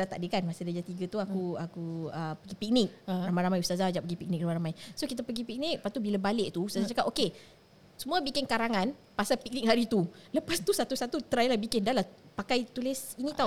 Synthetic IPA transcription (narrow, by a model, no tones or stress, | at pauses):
at̪a̰ʔdiəkanmasədəd͡ʒat̪iɡət̪uakuakuəpəɡipik̚nɪk̚ramãjɾamajust̪azad͡ʒaʔpəɡipik̚nɪk̚ramajɾamajsokit̪apəɡipik̚nɪk̚pat̪ubilabalɪʔ̚t̪uust̪azat͡ʃakaʔoke | səmuabikɪnkaɾaŋan | pasapik̚nɪk̚haɾit̪uləpast̪usat̪usat̪ut̪əɾajlabikɪndalahpakajt̪ulɪsinĩt̪a